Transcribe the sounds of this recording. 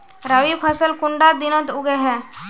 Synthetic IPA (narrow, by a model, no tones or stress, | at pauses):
ɾəʋipʰəsəlkʊɳɖad̪ɪnət̪ʊɡeɦɛː